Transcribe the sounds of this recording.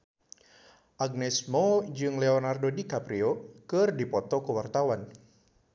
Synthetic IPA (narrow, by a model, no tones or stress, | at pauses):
ʔaɡ̚nɛsmɔd͡ʒɨŋlɛɔnardodikapɾiokɨrdipɔt̪ɔkuwart̪awan